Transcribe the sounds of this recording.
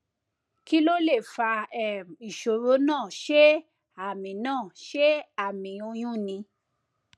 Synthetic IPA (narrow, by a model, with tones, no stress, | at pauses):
ki˦lo˦le˦˨fa˧ɛ˦˨i˨ʃo˨ɾo˨˦nãː˦˨ʃe˦ | a˦˨mĩ˨˦nãː˦˨ʃe˦a˦˨mĩ˨˦o˧j̃ũ˦˨nĩ˧